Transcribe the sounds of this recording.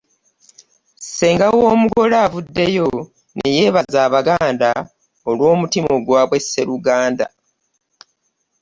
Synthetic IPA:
se̞ːŋɡawoːmuɡo̞laːvudːe̞jo̞ | neje̞ːβazaːβaɡaːnda | olwo̞ːmutimo̞ɡwaːβwe̞sːe̞ɾuɡaːnda̰

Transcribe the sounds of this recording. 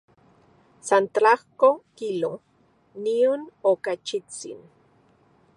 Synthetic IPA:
sant̪ɾahkokilo | nionokat͡ʃit͡sḭn

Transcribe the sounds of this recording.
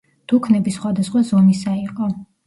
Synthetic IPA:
d̪̥ukʰnɛbisχwad̪asχwazɔmisaiqʼɔ

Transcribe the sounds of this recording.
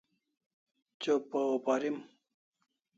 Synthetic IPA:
t͡ɕopopaɾim

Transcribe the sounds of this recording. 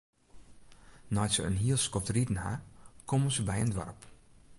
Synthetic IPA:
nɔjtsəənɦiəlˠskɔftridən̩ha̰kʰomənzəbɛjəndʋa̰rp

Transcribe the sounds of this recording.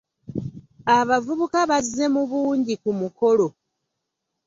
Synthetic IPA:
aβavuβukaβazːe̞muβuːɲɟikumuko̞lo̞

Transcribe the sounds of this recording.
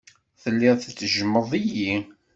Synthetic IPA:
θəlːɪʁθt͡sːəʒəmːəðˤiji

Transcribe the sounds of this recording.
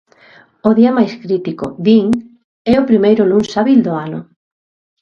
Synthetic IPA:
oðiɐmajskɾit̪ikʊ̰ðiŋ | ɛʊpɾimejɾʊlunsaβild̪oanʊ̰

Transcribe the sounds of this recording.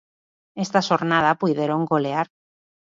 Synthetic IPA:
est̪aʃoɾnað̞apujðeɾoŋɡoleaɾ

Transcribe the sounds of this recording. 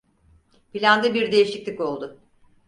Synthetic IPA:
pilʲand̪ɯbiɾd̪e̞jiʃiclʲiko̞lˠd̪ʊ

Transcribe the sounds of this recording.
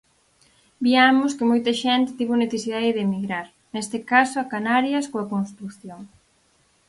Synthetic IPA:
biamʊskɪmojt̪ɐʃɛnt̪ɪ̥t̪iβuneθesiðaðɪðemiɣɾaɾ | nest̪ɪkasoɐkanaɾjɐskoɐkonst̪ɾuθjoŋ

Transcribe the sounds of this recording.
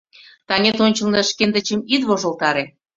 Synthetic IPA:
t̪ɑnʲet̪onʲt͡ɕə̆lnĕʃkend̪ə̆t͡ɕemit̪βoʒə̆lt̪ɑɾe

